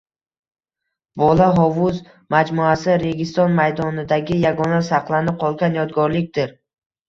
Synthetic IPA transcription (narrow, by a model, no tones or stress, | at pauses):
bɒlaɦɒvʊz | mad͡ʒmuasɪɾe̞ɡʲɪst̪ɒnmajd̪ɒnɪd̪aɡʲɪjaɡɒnasɑqlˠanɪqʰɒlˠɡʲanjɒd̪ɡɒɾlɪkʲd̪̥ɪɾ